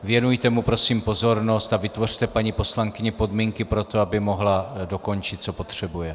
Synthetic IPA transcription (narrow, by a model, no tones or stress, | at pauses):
vjɛnujt̪ɛmupɾo̞siːmpo̞zo̞ɾno̞st̪avɪt̪vo̞r̝̥t̪ɛpaɲipo̞slaŋkɪɲɛpo̞dmiːŋkɪpɾo̞t̪o̞abɪmo̞ɦlado̞ko̞nt͡ʃɪt̪̚t͡so̞po̞t̪r̝̥ɛbujɛ